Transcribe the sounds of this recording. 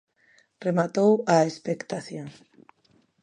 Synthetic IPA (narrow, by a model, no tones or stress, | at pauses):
remat̪owaespekt̪aθjõŋ